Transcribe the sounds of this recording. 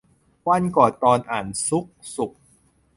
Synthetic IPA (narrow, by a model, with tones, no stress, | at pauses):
wa˧nkɔː˨˩t̪ːɔː˧nʔaː˨˩nsu˦˥k̚su˨˩k̚